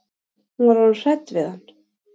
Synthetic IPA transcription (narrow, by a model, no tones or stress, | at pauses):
huaɾunsɛt̪ːvɪðanː